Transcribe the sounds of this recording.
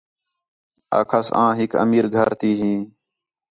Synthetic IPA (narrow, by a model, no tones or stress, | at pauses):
a̰ːkʰəsãːɦɪkə̰miːɾɡʱəɾt̪iːɦĩː